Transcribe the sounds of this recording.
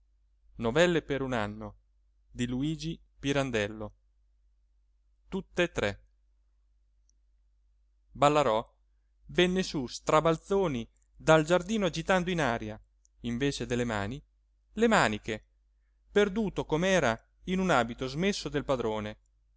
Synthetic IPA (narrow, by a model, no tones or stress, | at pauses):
novɛlːepeɾunanːo | d̪iluiːd͡ʒi | piɾand̪ɛlːo | t̪ut̪ːet̪ːɾɛ | balːaɾɔ | vɛnːesust̪ɾabalt̪soːni | d̪ald͡ʒard̪iːnoad͡ʒit̪and̪oinaːɾja | iɱveːt͡ʃed̪elːema̰ːni | lemaːnike | perd̪uːt̪okomɛːɾa | inunaːbit̪ozmesːod̪elpad̪ɾoːne